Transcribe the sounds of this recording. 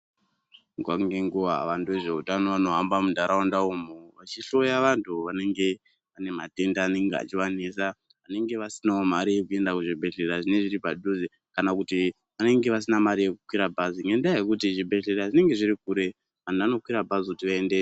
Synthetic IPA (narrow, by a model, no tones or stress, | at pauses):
ŋɡwaŋɡeŋɡuʋa̰ʋantueʐe̞utano̞ʋano̞ɦambamundʱaɾaandaumoʋat͡ʃiɬo̞jaʋantʰuʋane̞ŋɡe̞ | ane̞mate̞ndaːne̞ŋɡea̰t͡ʃiwanesa | ʋane̞ŋɡe̞ʋasinaomaɾijekue̞ndakuʐibʱe̞ɮeɾaʐine̞ʐiɾipaɗuzi | kanakuti | ʋane̞ŋɡe̞ʋas̬inamaɾije̞kukwiɾabʱaziŋendaajekutiʐibʱe̞ɮeɾaʐine̞ŋɡe̞ʐiɾikuɾe̞ | ʋantuano̞kwiɾabʱazikutiʋaende